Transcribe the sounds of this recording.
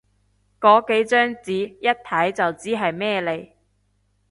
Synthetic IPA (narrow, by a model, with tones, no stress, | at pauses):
kɔː˨˥ke˨˥jt͡ʃœː˥ŋt͡siː˨˥jɐ˥t̚t̪ʰɐ˨˥jt͡sɐ˨wt͡siː˥ɦɐ˨jmɛː˥le˨j